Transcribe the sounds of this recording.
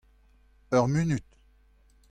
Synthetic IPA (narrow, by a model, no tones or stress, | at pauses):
œʁminyt̪